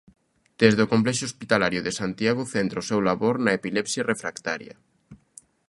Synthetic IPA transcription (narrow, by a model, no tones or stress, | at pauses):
d̪̥ezðokomplɛʃoospit̪alaɾjoðesant̪jaɣ̞ʊθent̪ɾaosewlaβoɾnɐepilɛpsjarefɾakt̪a̰ɾjɐ̰